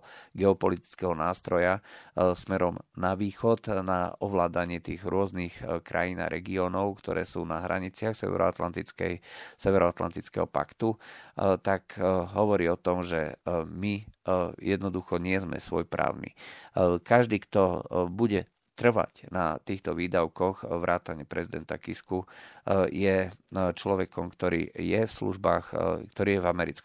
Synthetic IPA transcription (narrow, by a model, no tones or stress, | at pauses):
ɡɛɔpɔlit̪i̥t͡skɛɦɔnaːst̪ɾɔjasmɛɾɔmnaʋiːxɔt̪na̰ɔʋlaːd̪aɲɪɛt̪iːɣɾʊɔznixkɾʔa̰jina̰ɾʔɛɡiɔːnɔʊkt̪ɔ̰ɾɛ̰ːsuːnaɦɾʔa̰ɲit͡sɪaxsɛ̰ɛ̰ɾɔ̰at̪lant̪ikɛsɛʋɛɾɔat̪la̰nt̪it͡skɛ̰ɦɔpa̰kt̪ut̪akɦɔʋɔɾiːɔt̪ɔmʒɛmijɛd̪nɔd̪uxɔɲɪɛzmɛ̰sʋɔjpɾa̰ːʊnḭkaʒd̪iːkt̪ɔbuɟɛ | t̪r̩ʋa̰cna̰t̪iːxt̪ɔʋiːd̪aʊkɔɣʋɾʔaːt̪aɲɪɛpɾɛzid̪ɛnt̪a̰kisku | jɛt͡ʃlɔʋɛkɔmkt̪ɔɾḭːjɛfslṵʒbaːxkt̪ɔɾiːjɛvamɛɾit͡sk